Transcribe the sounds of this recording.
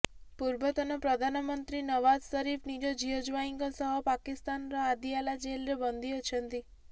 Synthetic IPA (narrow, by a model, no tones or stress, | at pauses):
puɾbət̪ɔnapɾəd̪ʱanəmənt̪ɾinəʋad͡ʒsəɾifnid͡ʒod͡ʒiod͡ʒʋaiŋɡəsəɦɔpakist̪anɾaad̪ialad͡ʒelɾebənd̪ʱiot͡ʃʰənt̪i